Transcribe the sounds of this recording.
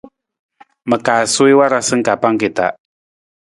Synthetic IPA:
mə˨kaː˨so˦i˦wa˦ɾa˦sɨ˦ŋ̩˦ka˨pa˦ŋ˦ke˨ta̰˨

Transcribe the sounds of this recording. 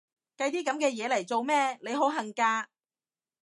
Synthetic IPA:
kɐ˧jt̪iː˥kɐ˨˥mkɛː˧jɛː˨˧lɐ˨˩jt͡so˨˧wmɛː˥˧le˨˧jɦo˨˥wɦɐ˨˩ŋkaː˧

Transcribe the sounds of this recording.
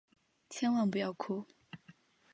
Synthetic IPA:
t͡ɕʰjɛ˥nwa˥˩npu˧˥jɑ˥˩ʊkʰu˥

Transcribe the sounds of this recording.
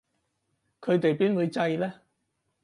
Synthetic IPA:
kʰɵ˨˧ɥt̪e˨jpiː˥nwuː˨˧jt͡sɐ˧jlɛː˥

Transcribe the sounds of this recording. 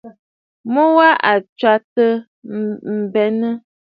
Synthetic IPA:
mɔ˦wa˦ʔa˨t͡ʃwa˦tə˦ | m̩˨bɛ˨nə˦

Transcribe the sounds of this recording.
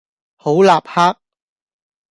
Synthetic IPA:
ho˨˥wlaː˨p̚haː˥k̚

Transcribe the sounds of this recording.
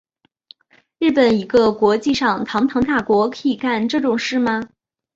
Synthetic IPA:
ɻɻ̩˥˩pə˨˩ni˧˥ɡə˧kwɔ˧˥t͡ɕi˥˧ʂɑ˨˩ŋt̪ʰɑ˧˥ŋt̪ʰɑ˧˥ŋt̪a˥˩kwɔ˧˥kʰɤ˧˥i˨˩ka˥˧nʈ͡ʂɤ˥˩ʈ͡ʂʊ˨˩ŋʂɻ̩˥˩mɐ˩

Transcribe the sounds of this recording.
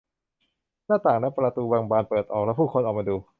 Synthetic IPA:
naː˥˩t̪aː˨˩ŋlɛ˦˥pɾa˧t̪uː˧waː˧ŋbaː˧npɤː˨˩t̪̚ʔɔː˨˩k̚lɛ˦˥pʰuː˥˩kʰo˧nʔɔː˨˩k̚maː˧duː˧

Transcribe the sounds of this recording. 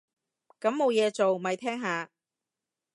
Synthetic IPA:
kɐ˨˥mːo˨˧wjɛː˨˧t͡so˨wmɐ˨˧jt̪ʰɛː˥ŋɦaː˨˧

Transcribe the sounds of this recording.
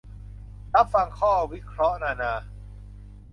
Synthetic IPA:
ɾa˦˥p̚fa˧ŋkʰɔː˥˩wi˦˥kʰɾɔ˦˥ʔnaː˧naː˧

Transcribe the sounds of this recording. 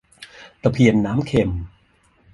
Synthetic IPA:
t̪a˨˧˩pʰi˧˩ənːaː˦˥mkʰe˧˩m

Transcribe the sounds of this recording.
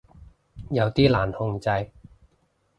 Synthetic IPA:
jɐ˨˧wt̪iː˥laː˨˩nhʊ˧ŋt͡sɐ˧j

